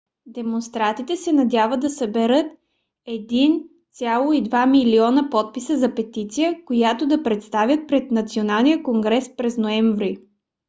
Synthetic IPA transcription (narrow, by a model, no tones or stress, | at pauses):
d̪ɛmonst̪ɾat̪it̪ɛsɛnɐd̪ʲjavəd̪ɐsəbɛɾɤt̪ | ɛd̪int̪sʲalˠoid̪vamiliɔnəpɔt̪̚pisəzɐpɛt̪it̪sijəkojat̪od̪ɐpɾɛt̪st̪avʲət̪̚pɾɛt̪nɐt̪sionalˠnijəkoŋɡɾɛspɾɛznoɛɱvɾi